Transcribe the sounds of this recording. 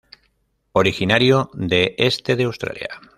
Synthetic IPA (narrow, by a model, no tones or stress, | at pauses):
oɾixinaɾjod̪eʔest̪eð̞eawst̪ɾa̰lja̰